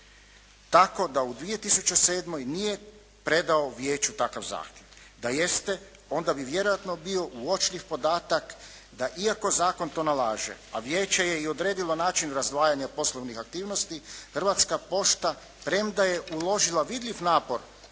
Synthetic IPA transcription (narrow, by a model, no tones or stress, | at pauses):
t̪ako̞d̪aud̪ʋije̞t̪isut͡ɕese̞ːd̪mo̞jnije̞ | pɾe̞d̪ao̞ʋjeːt͡ɕut̪akaʋza̰ːxt̪jeʋ | d̪aje̞st̪e̞ | o̞nd̪abiʋje̞ɾo̞jat̪no̞bio̞ʔuo̞t͡ʃʎiʋpo̞d̪aːt̪ak | d̪aʔiako̞zaːko̞nt̪o̞ːnalaːʒḛaʋje̞ːt͡ɕe̞je̞io̞d̪ɾeːd̪ilˠo̞naːt͡ʃinɾazd̪ʋaːjaɲapo̞slˠoʋnixak̚t̪iːʋno̞st̪ixrʋat̪skapo̞ʃt̪a | pɾe̞md̪aje̞ʔulo̞ʒilaʋid̪ʎʲiʋnaːpo̞ɾ